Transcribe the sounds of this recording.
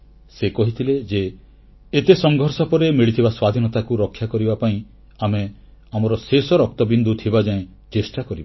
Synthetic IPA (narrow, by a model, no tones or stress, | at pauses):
sekɔɦit̪ʰiled͡ʒeː | t̪esɔŋɡʱɔɾsɔpɔɾemiɭit̪ʰibaswad̪ʱinɔt̪akuɾɔkʰːjakɔɾibapaĩ | ame | amɔɾɔsesɔɾɔk̚t̪ɔbind̪ʱut̪ʰibad͡ʒaẽ | t͡ʃesʈakɔɾiba